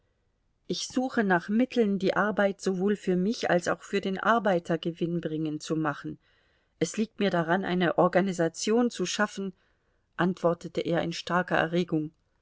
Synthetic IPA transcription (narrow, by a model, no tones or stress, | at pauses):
ʔɪçz̥uːxənaːχmɪtʰl̩ndiːʔaɐbaɪtz̥ovoːlfyːɐmɪça̰lsa̰ʊxfyːɐdeːnʔa̰ɐbaɪtʰɐɡəvɪnbʁɪŋənt͡sumaχn̩ | ʔɛsliːk̚tmiːɐɾaʁanʔa̰ɪnəʔɔɐɡanizat͡sjoːnt͡suʃafn̩ | ʔantv̥ɔɐtətəʔeːɐɪnʃtaɐkɐʔɛ̰ɐʁeːɡʊŋ